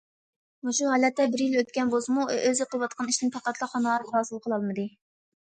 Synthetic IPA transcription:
uʃuhɑːlɛt̪ːɛbɪɾjiløt̪̚kʲɛnbozɨmṵʔøzɪqʰəlˠwɑt̪̚qʰɑniʃt̪ɪnpʰæqɑt̪lˠɑχɑnlɑɾɾɑːsɨlˠqʰəlˠɑlˠmɨd̪ɨ

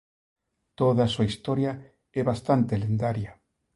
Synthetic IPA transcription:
t̪oðasuaist̪oɾja | ɛβast̪ant̪elend̪aɾja

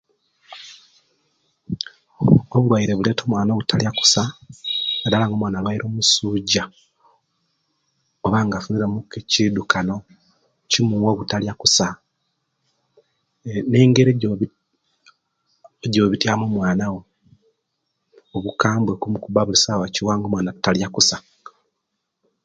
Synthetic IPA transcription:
oβulwajiɾe̞βule̞ːtʰo̞ːmwaːnoɣutʰaljaku̥sa | adalaŋɡomwaːnalwaiɾʔo̞ːmusuɟa | oβaːŋɡafuniɾemukecidukano̞ | cimuwoɣutaljakusa | neːŋɡeɾeo | eɟoːβitjaːmomwaːnawo̞ | oβukaːmbwekumukuβaβulisawaciwaːŋɡomwaːnataljakusḁ

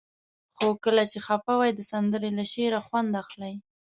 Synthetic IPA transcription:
xokəlat͡ʃexapawajd̪əsand̪əɾelaʃeɾaxwand̪axlaj

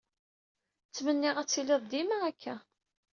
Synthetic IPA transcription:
t͡sːmənːɪʁæt͡sːilɪðˤd̪imaækʰːæ

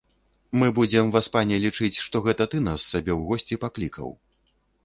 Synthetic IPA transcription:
mɨbud͡zʲɛmvaspanʲɛlʲit͡ʂɨt͡sʲʂt̪ɔɣɛt̪ɐt̪ɨn̪asːabʲɛwɣɔsʲt͡sʲipaklʲikʰɐ̰w

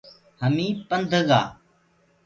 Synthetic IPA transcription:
həmĩːpənd̪ʱəɡa̰ː

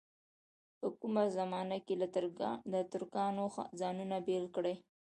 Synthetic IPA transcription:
pəkumazamɑnakelad̪ət̪ʊɾkɑnoxzɑnunabelkɽe

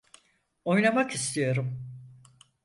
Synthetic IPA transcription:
o̞jnamakist̪ʰijo̞ɾum

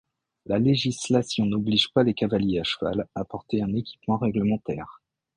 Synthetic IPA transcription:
laleʒislasjɔ̃nɔbliʒpalekavaljeaʃəva̰lapɔʁt̪eɛ̃nekʲi̥pmɑ̃ʁɛɡləmɑ̃t̪ɛːʁ

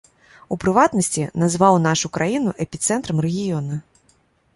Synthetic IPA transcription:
upɾɨvat̪nɐsʲt͡sʲinazvawn̪aʂukɾʔajinuʔɛpʲit̪sɛnt̪ɾɐmrɛɣʲijɔnɐ

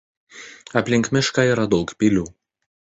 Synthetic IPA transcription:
ɐpʲlʲɪŋʲkmʲɪʃkɑiːɾɐd̪ɒʊkpʲilʲuː

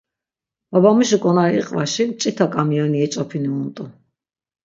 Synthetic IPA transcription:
babamiʃikʼɔnaiḭqʼvaʃit͡ʃʼit̪ʰakʼamiɔniɛt͡ʃʼɔpʰiniunt̪ʼu

